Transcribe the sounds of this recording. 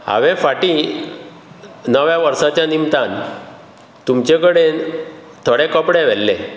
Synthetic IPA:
a̰ʋefaʈi | nəʋjaʋəɾsat͡ɕjanimt̪an | t̪umt͡ɕekəɽe | t̪ʰəɽekəpɽeʋɛlːḛ

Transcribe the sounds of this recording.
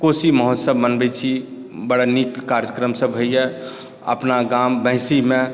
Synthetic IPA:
kosiməɦɔt̪səbmənbɛt͡ʃʰi | bəɽanikːaɾjəkɾəmsəbɦəije | ə̰pnaɡambə̃ɪsimẽ

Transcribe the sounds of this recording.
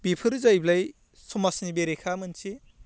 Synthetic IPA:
bipʰɯɾzajblaj | sumasnibeɾekʰamɯnt͡ʃʰi

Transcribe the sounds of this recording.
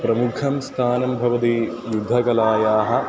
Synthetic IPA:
pɾɐmukʰɐmst̪ʰaːnɐmbʱɐʋɐt̪i | jud̪ʱːɐkɐlaːjaːɦɐ̆

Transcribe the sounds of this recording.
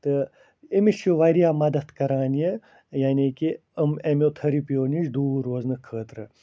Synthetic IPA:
t̪ɨ | imiʃjoʋɐɾijaːmɐd̪ɐt̪kɐɾaːnije | jaːniːki | ɐmemot̪ʰɐɾipjoːniʃd̪uːɾoːznɨkʰːəːt̪ɾɨ

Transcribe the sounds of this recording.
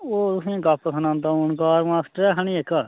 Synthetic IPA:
oːt̪ʊsĩːɡapːəsənãːnt̪aːʊɳkaːɾmaːsʈəɾɛːɦəɳ̃ĩːekːaː

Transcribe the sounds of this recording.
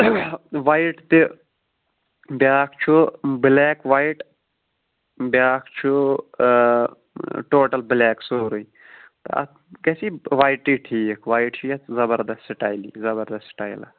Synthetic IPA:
ʋaːiʈt̪e | bjaːkʰt͡ʃʰublɛːkʋaːiʈ | baːkʰt͡ʃʰu | ʈoːʈɐlblɛːksoːɾui | t̪ɐ̰ɐ̰ | kesiʋaːiʈːiːʈʰiːkʰʋaːiʈt͡ʃʰiɐt̪zɐbɐɾd̪ɐstʈaːjlḭːzɐbɐɾd̪ɐsʈaːjla̰

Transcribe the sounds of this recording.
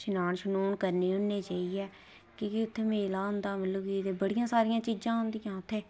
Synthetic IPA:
ʃɪnaːɳʃənuːnkəɾneːɦʊnːeːt͡ʃaːiːɛː | kiːkiʊt̪ʰːeːmeːlaːɦʊ̃nd̪aːməlləbiːt̪eːbəɽɪjãːsaːɾɪjãːt͡ʃiːd͡ʒãːɦʊnd̪ijãːt̪ʰːeː

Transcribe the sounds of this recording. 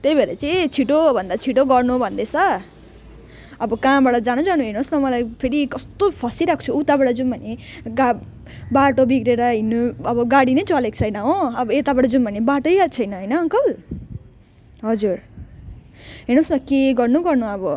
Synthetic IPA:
t̪ejbʱeɾʌt͡sʌĩt͡sʰiʈobʱʌnd̪at͡sʰiʈoɡʌrnubʱʌnd̪et͡sʰʌ | ʌbʌkãbaɽʌd͡zanũd͡zanuɦenosnʌmʌlajpʰeɾikʌst̪opʰʌsiɾak̚ʰt͡sʰuut̪abaʈʌd͡zumbʱʌneɡa | baʈobiɡɾeɾʌɦinːuʌbʌɡaɽinʌjt͡sʌlekt͡sʰʌjnʌɦõʌbʌet̪abaʈʌd͡zumbʱʌnebaʈojat͡sʰʌjnʌɦʌjnʌʌŋkʌl | ɦʌd͡zur | ɦenosnʌkeɡʌrnuɡʌrnuʌbʌ

